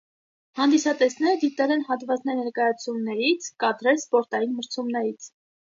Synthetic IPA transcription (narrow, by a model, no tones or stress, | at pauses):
hɑnd̪isɑt̪ɛsnɛɾəd̪it̪ɛlɛnɦɑt̪vɑt͡snɛɾnɛɾkɑjɑt͡sʰumnɛɾit͡sʰkɑt̪ɾɛlspɔɾt̪ɑjinməɾt͡sʰumnɛɾit͡sʰ